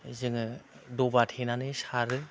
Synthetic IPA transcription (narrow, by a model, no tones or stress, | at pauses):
zɯŋɯdɔbatʰenanɯsaɾɯ